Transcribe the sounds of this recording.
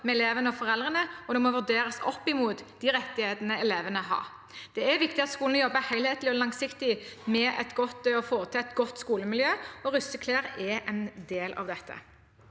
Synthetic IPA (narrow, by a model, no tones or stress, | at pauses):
mɛɛleːʋənəɔfɔʁɛld̪ʁənəɔd̪ɛmɔʋʉd̪eːɾəsɔpːɪmuːt̪d̪iːɾɛt̪ːɪheːt̪ənəɛleːʋənəɦɑ̰ː | d̪̥ɛæʋɪkt̪ɪɑt̪skuːln̩ɔjɔbːəhæɪlheːt̪lɪɔlɑŋsɪkt̪ɪmɛɛ̰t̪ɡɔt̪ːɔfoːɾət̪ʰɪlɛt̪ɡɔt̪ːskuːləmɪljøːɔɾʉsəkʰleːɾɛɛnd̪eːlʔɑ̰ʋd̪ɛt̪ʰːə̰